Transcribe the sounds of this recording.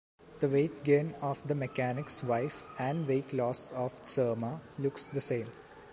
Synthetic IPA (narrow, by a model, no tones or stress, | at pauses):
d̪̥əʋeːt̪̚ɡẽːnɔːʋd̪əmekænɪksʋaɪfæ̃ɳɖʋeːklɔːsɔːfsəːmalʊksd̪əsẽːm